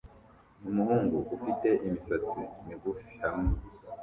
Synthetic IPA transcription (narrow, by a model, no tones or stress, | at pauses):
numuhuːŋɡuʔufite̞ʔimisat͡siimiɡufi̥hamŋe